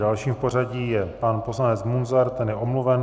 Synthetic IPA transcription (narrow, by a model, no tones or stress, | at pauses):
dalʃiːmfpo̞r̝aɟiːjɛpanpo̞slanɛt͡smunzaɾt̪ɛnjɛʔomluvɛn